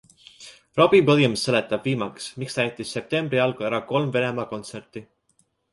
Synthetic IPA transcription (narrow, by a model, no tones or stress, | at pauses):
rob̥ipɤljumse̞let̪ːˑɑb̥viːmɑksmikst̪æjt̪ːˑisːe̞p̚t̪e̞mbɾiɑlɡ̥uæɾɑko̞lmve̞ne̞mɑko̞nt̪sert̪ˑi